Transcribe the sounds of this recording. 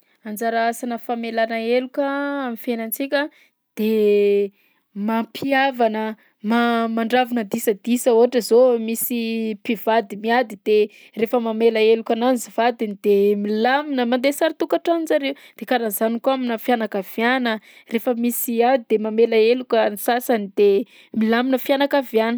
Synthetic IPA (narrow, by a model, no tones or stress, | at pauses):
and͡ʒaɾaasanəfamelanəelukəamifenant͡sikʲə | d̪̥e | mapʰiavanə | mamaɳɖ͡ʐavunəd̪isəd̪isəuaʈ͡ʂəzomisipiv̥ad̪imiad̪id̪e | refəmamelaelukʲananziv̥ad̪inid̪̥emilaminəmand̪esaɾat̪ukaʈ͡ʂaninzaɾewd̪̥ekanazanikuaminafjanakav̥janərefəmisiad̪id̪emamelaelukʲənisasanid̪̥e | milaminəfianakavjanə̥